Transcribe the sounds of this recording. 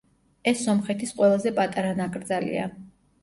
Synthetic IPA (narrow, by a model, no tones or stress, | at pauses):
ɛsːɔmχɛt̪ʰisqʼwɛlˠazɛpʼat̪ʼaɾanakʼɾd̪zalḭa̰